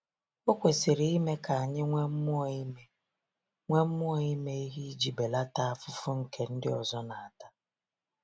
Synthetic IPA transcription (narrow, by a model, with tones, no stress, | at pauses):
o˦kʷe˨sɪ˨ɾi˨i˦me˦ka˨a˨ɲɪ˦ŋʷe˦m̩˦mʊ˦ɔ˨i˦me˦ | ŋʷe˦m̩˦mʊ˦ɔ˦˨i˦me˦i˦ɦi˦d͡ʒi˨be˨la˦ta˦a˦fʊ˦fʊ˦ŋ̩˦ke˨n̩˦dɪ̰˦ɔ˨zɔ˦na˨a˨ta˦